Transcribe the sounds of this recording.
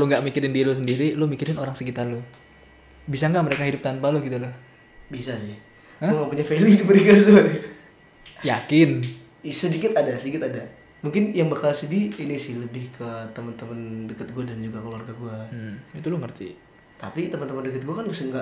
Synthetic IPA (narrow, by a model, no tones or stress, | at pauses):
kaloŋɡaʔmikiɾɪndialʊsəndiɾilʊmikɪɾɪnoɾaŋsəkit̪arlʊ | bisaŋɡaʔməɾekaɦidʊp̚t̪anpalʊɡit̪ulʊh | bisasɪh | əŋampuɲafelidibəɾikasun | jakɪn | isədikɪt̪adasədikɪt̪ada | muŋkɪnjaŋbakalsədiːnisɪhləbɪhkʰət̪əmənt̪əməndəkət̪̚ɡuadand͡ʒuɡakəluarɡaɡuam̩it̪ulʊŋərt̪ḭ | t̪a̰pit̪əmənt̪əməndəkət̪̚ɡuakanbisaŋɡa